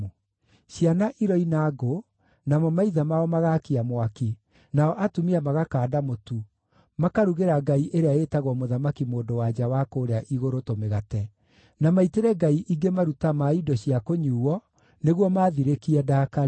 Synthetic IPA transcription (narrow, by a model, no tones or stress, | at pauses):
ʃjanaʔiɾɔinaɡo | namɔmaiðamaɔmaɣaːkiamwaki | naɔʔatumiamaɣakaːdamotu | makaɾuɣeɾaɡaiʔeɾeaetaɣwɔmoðamakimoːdowad͡ʑawakoːɾeaʔiɣoɾotomeɣatɛ | namaiteɾɛɡaiʔiɡemaɾutamaidɔɕiakoɲuːwɔ | neɣwɔmaːðiɾekiɛdaːka